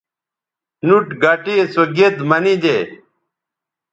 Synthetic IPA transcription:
nuʈɡaʈiesoɡed̪mɐnid̪eː

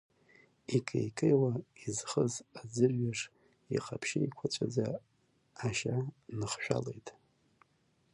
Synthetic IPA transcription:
ikʰʼḛjkʼejwaizχəzad͡zɨrɥaʂ | ḭqʼapʰʃɪjkʷʰat͡ɕʷʼʰad͡zaː | ʃanɨχʃᶣa̰le̞jtʼ

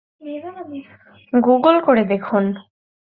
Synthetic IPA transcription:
ɡuɡəlkoɾed̪ekʰun

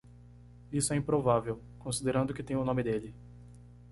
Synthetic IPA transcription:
isʊɛĩpɾovavew | kõsid̪eɾɐ̃nd̪ʊkɪt̪ẽj̃ʊnõmɪd̪elɪ

